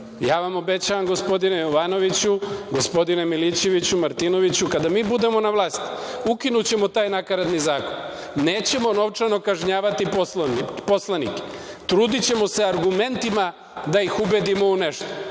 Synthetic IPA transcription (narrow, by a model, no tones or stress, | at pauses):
jaːʋamo̞be̞t͡ɕaʋamɡo̞spo̞d̪inejoʋaːno̞ʋit͡ɕuɡo̞spo̞d̪ine̞milit͡ɕe̞ʋit͡ɕumaɾt̪ino̞ʋit͡ɕukad̪amiːbud̪e̞mo̞naʋlˠaːst̪i̥ukinut͡ɕe̞mo̞t̪aːjnakaɾad̪nizaːko̞n | neːt͡ɕe̞mo̞no̞ʋt͡ʂano̞kaʒɲaːʋat̪iposnipo̞slˠanḭke̥t̪ɾuːd̪it͡ɕe̞mo̞se̞aɾɡume̞nt̪ima | d̪aixube̞d̪imo̞une̞ʃt̪o